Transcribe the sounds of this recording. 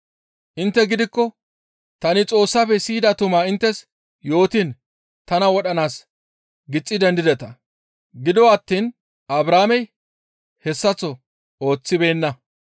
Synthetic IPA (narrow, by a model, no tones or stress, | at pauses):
ʔɪnt̪ːɛɡɪd̪ɪkːɔ | t̪ɐnɪt͡sʼo̞ːsːapɛsiːd̪ɐt̪ʊmaːɪnt̪ːɛs | jo̞ːt̪in | t̪ɐnɐwɔɗɐnaːs | ɡɪt͡sʼːɪd̪ɛnd̪ɪd̪ɛt̪ɐ | ɡɪd̪ɔɐt̪ːiːn | ɐbɾaːmɛj | hɛsːɐt͡sːɔ | o̞ːt͡sːɪbe̞ːnːɐ